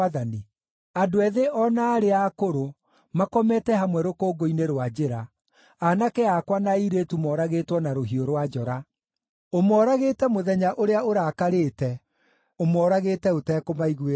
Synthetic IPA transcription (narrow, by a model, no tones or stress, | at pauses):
aðani | adoɛðeʔɔnaːɾeakoɾo | makɔmɛtɛɦamwɛɾokoːɡoineɾwad͡ʑeɾa | anakɛakwanaiɾetumɔɾaɣeːtwɔnaɾoɦioɾwad͡ʒɔɾa | omɔːɾaɣeːtɛmoðɛɲaʔoɾeaoɾakaɾeːtɛ | omɔːɾaɣeːtɛotɛːkomaiɣwe